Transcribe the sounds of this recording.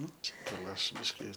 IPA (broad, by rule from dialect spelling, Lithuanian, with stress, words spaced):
ˈnʊ t͡ʃʲɛ ɡɐlˠ ˈɐʃ ˈbʲɪʃʲkʲɪ